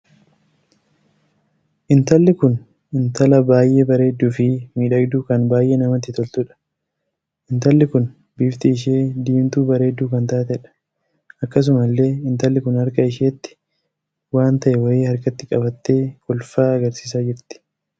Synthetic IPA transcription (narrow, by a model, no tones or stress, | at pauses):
ʔɪnt̪ɐlːɪkʊn | ʔɪnt̪ɐlɐbaːjʔe̞ːbɐɾe̞ːd̪ːuːfɪmiːᶑɐɡd̪ukɐnbaːjʔe̞ːnɐmɐt̪ːɪt̪ɔlt̪ʊᶑɐ̥ | ʔɪnt̪ɐlːɪkʊn | biːft̪ɪːʃ̬e̞ːd̪iːmt̪uːbɐɾe̞ːd̪ːuːkɐnt̪aːt̪ɛᶑɐ̥ | ɐkːɐs̬ʊmɐlːe̞ːɪnt̪ɐlːɪkʊnhɐɾkɐɪʃeːt̪ːɪ̥ | waːnt̪ɐʔɛwɐeːhɐɾkɐt̪ːɪkʼɐbɐt̪ːe̞ːkʊlfaːɐɡɐɾsiːsaːd͡ʒɪɾt̪ɪ̥